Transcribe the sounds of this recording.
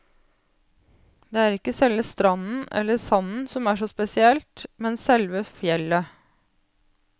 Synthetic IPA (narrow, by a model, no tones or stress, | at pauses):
d̪eːæːɾɪkːəsɛlʋəst̪ɾɑnn̩ɛ̰lːəsɑnn̩sɔmæːʂoːspɛsɪɛlt̪mɛnsɛlʋəfjɛlːə